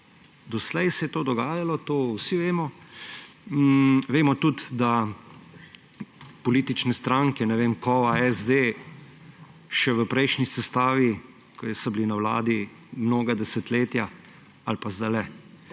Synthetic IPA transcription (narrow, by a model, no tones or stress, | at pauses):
d̪ɔslɛjsɛjɛt̪oːd̪ɔɡaːjalɔt̪oːwsiʋeːmɔ | ʋeːmɔt̪ut̪d̪a | pɔliːt̪it͡ʃnɛst̪ɾaŋkɛnɛʋeːmkɔaɛzd̪eː | ʃɛʋəpɾɛjʃnisɛst̪aːʋi | kʰɔjsɔblinawla̰ːd̪i | mnoːɡad̪ɛsɛt̪leːt̪ja | alpazd̪alɛ